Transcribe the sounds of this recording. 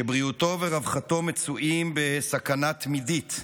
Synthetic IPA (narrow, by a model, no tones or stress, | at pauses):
ebʁiuto̞veʁavχato̞met͡suʔimbe̞sakanat̪midit̪